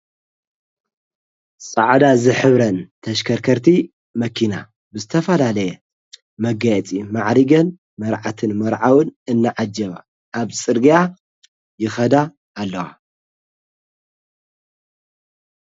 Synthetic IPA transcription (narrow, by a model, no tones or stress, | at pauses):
sʼa̰ʕd̪azɨħɨβɾɐnt̪ʰɐʃkʰɐɾkʰɐɾt̪ʰi | mɐkʰina̰ | bɨzɨt̪ʰɐfɐlalɐjɛ | mɐɡajɛt͡sʼimaʕɾiɡɐn | mɐɾʕat̪ʰɨnmɐɾʕawɨnɨnːaʕad͡ʒɐβa̰ | ʔːβsʼɨɾɡija | jɪxɐd̪aː | lːɐwa̰